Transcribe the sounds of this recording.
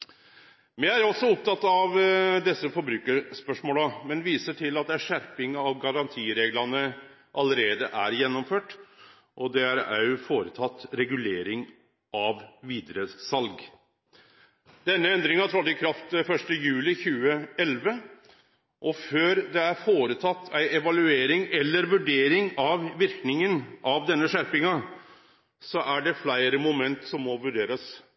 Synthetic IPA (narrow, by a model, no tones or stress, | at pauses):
mɛæɾɔsɔʊp̚t̪ʰɑt̪ːɑʋd̪ɛsːəfɔɾbɾʉːkəspœʂmoːləmɛnʋiːsəʈʰɪlɑt̪̚d̪ɛæʂæɾpɪŋɑʋɡɑɾɑnt̪ʰiːɾeːɡlɑnə | ʔɑləɾeːd̪əʔæɾjɛnːɔmføːʈ | ʔɔd̪ɛæɾæ̰jfoːɾət̪ʰɑt̪ːɾɛɡʉleːɾɪŋ | ɑʋʋiːd̪ɾəsɑlɡ | d̪ɛnːəɛnd̪ɾɪŋɑt̪ʰɾɑt̪ːɪkʰɾɑft̪fœʂʈəjʉːlɪçʉːəɛlʋə | ʔɔføːɾd̪ɛæɾfoːɾət̪ʰɑt̪ːæɪɛʋɑlʉeːɾɪŋɛlːəɾʋʉɖeːɾɪŋɑʋʋɪɾknɪŋənʔɑʋd̪ɛnːəʂæɾpɪŋɑ | sɔʔæɖɛflæɪɾəmʊmɛnt̪sɔmːɔʋʉɖeːɾəs